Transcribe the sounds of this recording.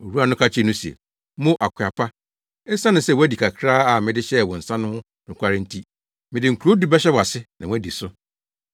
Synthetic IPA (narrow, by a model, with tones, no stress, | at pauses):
o˨ɾu˦a˨nʊ̃˦kʰa˦t͡ɕʰnʊ̃˦si˨ḛ˨˦ | mʊ̃˦ʔa˨kʰʷɪ˨a˨pʰa˦ | ɛ˦sã˦nʊ̃˨sɛ˦˨wɔ˦æ˦di˨kʰa˨kʰɾaː˦a˨mɪ̃˨dɪ˦ɕɛ˦˨wɔ̃˨n̩˨sã˦nʊ̃˦hʊ̃˦ | nʊ̃˨kʷʰa˦ɾɪ̃˦n̩˦tʰi˦ | mɪ̃˨dɪ˨ŋ̩˨kʰu˨ɾo˦du˦bɛ˦ɕ̬ɛ˦wɔ˨a˨sɪ˦nʔã˨wæ˦˨di˨sʊ˦